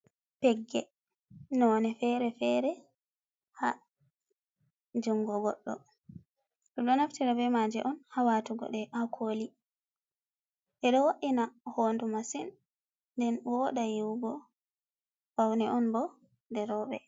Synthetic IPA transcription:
pɛɡːɛ | nɔnɛfɛɾɛfɛɾɛ | ha | d͡ʒuŋɡɔɡɔɗːɔ̰ | ɗɔɗɔnaftiɾabɛmad͡ʒɛʔɔnhawatuɡɔ̰ɗɛʔakʰoli | ʔɛɗɔwaʔinahondumasinː | dɛnwɔɗajiwɡɔ | b̥awnɛʔɔnbɔ | dɛɾɔbɛ̰

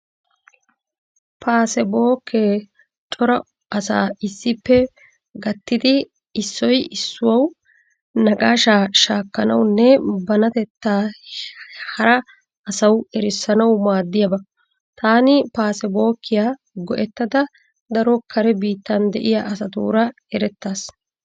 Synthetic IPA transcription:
paːsɛbo̞ːkʰːeː | t͡ʃʼɔɾɐ | ʔɐsa̰ːɪsːɪpːɛ | ɡɐt̪ːɪd̪ɪː | sːɔjɪsːʊwɐw | nɐɡʼaːʃaːʃaːkːɐnɐ̰wnːɛbɐnɐt̪ɛt̪ːaː | hɐɾɐː | sɐwɛɾɪsːɐnɐwmaːd̪ːɪjɐbɐ | t̪aːnɪpaːsɛbo̞ːkːɪjaː | ɡɔʔɛt̪ːɐd̪ɐ | d̪ɐɾɔkʰɐɾɛbiːt̪ːɐnd̪ɛʔɪjaːʔɐsɐt̪ṵːɾɐ | ɛɾɛt̪ːaːs

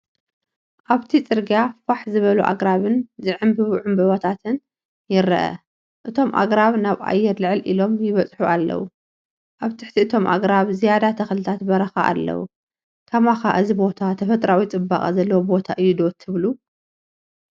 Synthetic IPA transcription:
ʔaβt̪ʰit͡sʼɨɾɡafaħzɨβɐluʔa̰ɡɾaβɨnzɨʕɨmbɨβʕumbɐβot̪ʰat̪ʰɨn | jɪɾɐ̰ʔɐ̰ | ʔɨt̪ʰo̞mʔa̰ɡɾaβnaβa̰jːɛɾlɨʕɨlʔilo̞mjɪβɐt͡sʼħuʔalːɐ̰wu | ʔaβt̪ʰɨħt̪ʰiɨt̪ʰo̞mʔa̰ɡɾaβzijad̪at̪ʰɐxlɨt̪ʰat̪bɐɾɐxaʔa̰lːɐ̰wṵ | kʰɐmaxaʔɨzibo̞t̪ʰat̪ʰɐfɐt̪ʼɾawit͡sʼɨba̰χʼzɐlːɐwobo̞t̪ʰaʔɨjːud̪o̞t̪ʰːɨβlu

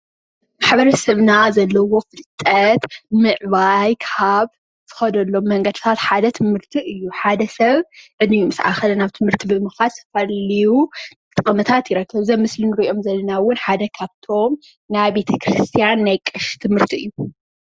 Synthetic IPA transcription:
maħbɐɾɐsɐβnazɐlːɐwo̞fɨlt̪ʼːɐt̪mɨʕβajkʰaβ | zʰɨ̥xɐd̪ɐlːo̞mːɐŋɡɐd̪ɨt̪ʰat̪ħad̪ɐt̪ʰɨmhɨɾt̪ʰiʔɨjːuħad̪ɐsɐβʕɨnɨjumɨsa̰xɐlɐnaβt̪ʰɨmhɨɾt̪ʰibɨmɨxalsɐ̥fɐlijut̪ʼɨkʼɐmɐt̪ʰat̪jɪɾɐkːɐβzɐmɨslɨnɨɾɨio̞mzɐlːɐnawʊnħad̪ɐkʰaβt̪ʰo̞m | najbe̞t̪ʰɐkʰɾɨst̪ʰijanːajkʼɨʃt̪ʰɨmhɨɾt̪ʰiɨjːu

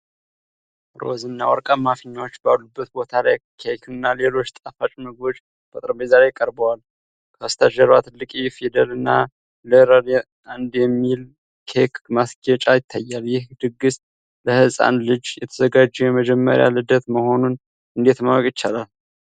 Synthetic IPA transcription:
ɾo̞̰zɨnːawɔ̰ɾkʼamafəɲːawot͡ʃːbalːubːət̪bo̞t̪ʰalajkʰekʰɨnːale̞lo̞t͡ʃːt̪ʼafat͡ʃʼnəɡo̞t͡ʃː | bət̪ʼɾəbezaɾekʼəɾbəwal | kʰəst̪ʰaʒəɾwat̪ʰɨlːɨkʼifid̪əlɨnːa̰ | lɨɾəɾ | and̪jɛmːil | kʰekmasɡɛt͡ʃʼajɪt̪ʰːajːaljɪhd̪ɨɡːɨs | ləhɨsʼa̰nlɨd͡ʒjɛt̪ʰəzəɡad͡ʒːɛjɛməd͡ʒɛmːə̰ɾja̰lɨd̪ət̪məho̞nun | ɨnd̪e̞t̪mawkʼjɪt͡ʃːalal

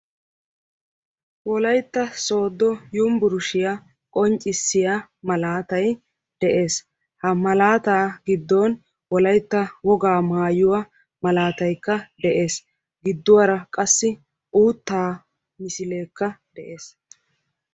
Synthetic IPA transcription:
wɔlɐjt̪ːɐso̞ːd̪ːɔjʊmbʊɾʊʃɪja | kʼɔnt͡ʃʼːɪsːɪjamɐlaːt̪ɐj | d̪̥ɛʔe̞ːs | hɐmɐlaːt̪aːɡɪd̪ːɔːn | wɔlɐjt̪ːɐwɔɡaːmaːjʊwa | mɐlaːt̪ɐjkːɐd̪ɛʔe̞ːs | ɡɪd̪ːʊwɐɾɐkʼɐsːɪ | ʔuːt̪ːaː | mɪsɪle̞ːkːɐd̪̥ɛʔe̞ːs

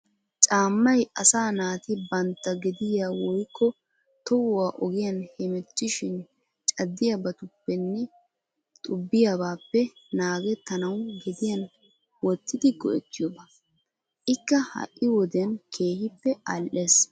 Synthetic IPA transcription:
t͡ʃʼaːmːɐjɐsaːnaːt̪ɪbɐnt̪ːɐɡɛd̪ɪjaːwɔjkːɔ | t̪ɔwʊwaːʔɔɡɪjɐnhɛmɛt͡ʃːɪʃɪn | t͡ʃʼɐd̪ːɪjɐbɐt̪ʊpːɛnːɛ | t̪ʼʊbːɪjabaːpːɛnaːɡɛt̪ːɐnɐwɡɛd̪ɪjɐn | wɔt̪ːɪd̪ɪɡɔ̰ʔɛt̪ːɪjɔbɐ | ʔɪkːɐhɐ̰ʔːɪwɔd̪ɛnkʰe̞ːhɪpːɛʔalʔe̞ːs

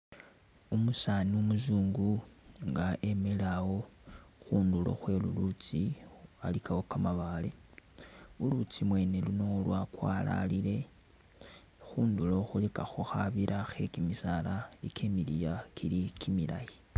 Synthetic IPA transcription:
umusaniumuzuːŋɡuŋɡaʔemelawo̞xuːndulo̞̰xwe̞lulut͡sialikʰawokamaβaːle̞ | ulut͡simwe̞ːne̞luno̞lwakwala̰lile̞ | xuːndulo̞xulikaxoxaβiɾʔaxe̞kimisalaekʰemilijakʰilikʰimila̰ji

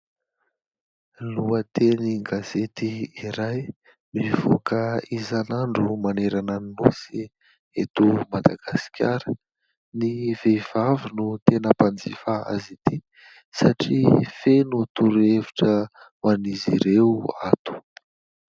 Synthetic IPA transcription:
luət̪eniɡaz̥et̪iiɾaj | miv̥okəizanaɳɖ͡ʐumaneɾananinosi | et̪umad̪aɡ̥asi̥kʲjaɾə | niv̥ev̥avinut̪enəpand͡zifaa̰zit̪i | saʈ͡ʂifenut̪uɾeviʈ͡ʂə | maniziɾeuat̪u̥

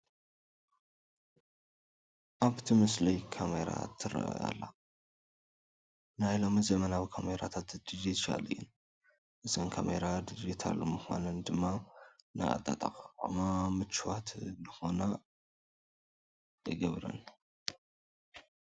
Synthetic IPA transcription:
ʔaβt̪ʰimɨslɐjkʰameɾa̰t̪ʰɨra̰ʔja̰lːa̰ | najlo̞mzɐmɐnawikʰameɾat̪ʰat̪d̪̥ɨd͡ʒit̪a̰lɨjun | ʔɨzonkʰameɾad̪id͡ʒit̪ʰa̰lmɨxʷa̰nɐnd̪ɨmːanɨ̰a̰t̪ʼat̪ʼɐqʼqʼamamɨt͡ʃːwat̪ʰndɨxo̞na | jɨɡɐβɾɐ̰n

